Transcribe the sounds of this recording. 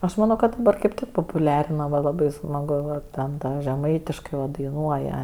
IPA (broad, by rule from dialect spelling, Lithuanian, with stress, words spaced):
ɐʃ mɐˈnoː kɐt dɐˈbɐr kɐɪp ˈtʲɪk poːpʊˈlʲæːrʲɪnɐ ʋɐ lˠɐˈbɐɪ smɐˈɡʊ ʋɐ ˈtʲɛn ˈtɐ ʒʲɛˈmɐɪtʲɪʃkɐɪ ʋɐ dɐɪˈnuɔjɛ